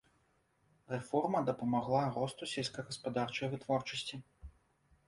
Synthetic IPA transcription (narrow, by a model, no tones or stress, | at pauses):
rɛfɔrmɐd̪ɐpɐmaɣlˠaɾɔst̪usʲɛlʲsʲkɐɣɐspad̪art͡ʂɐjvɨt̪vɔrt͡ʂɐsʲt͡sʲi